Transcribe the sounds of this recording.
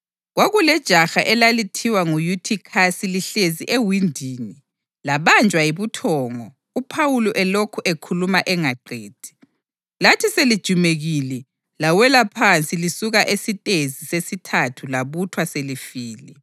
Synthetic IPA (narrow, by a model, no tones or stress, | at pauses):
ɣwaɣulɛd̥ʒ̥ʱaxaʔɛlalitʰiwaŋujutʰikʰasiliɬeziʔewindʱiːni | laβand͡ʒʱʼwajiβutʰɔːŋɔ | upʰawuluʔɛlokʰuʔekʰulumaʔɛŋaǃʱeːd̥ʱi̥ | latʰiselid̥ʒ̥ʱumeɣilɛ | lawɛlapʰant͡sʼilisuɣaʔesitʼezisesitʰatʰulaβutʰwaselifiːlɛ